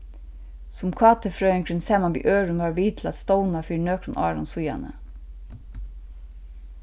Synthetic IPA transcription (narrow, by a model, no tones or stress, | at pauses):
sʊmkʰɑːt̪ʰəfɾœːɛŋkʰɾʏnsɛːmɑnbḭːʔøːɾʉnʋɑːɹʋiːt̪ʰl̩ɑ̰t̪st̪oʊnɑfiːɳøːkɾʊnʔɑ̰ːɹɔ̰nsʊjɑ̰nə̰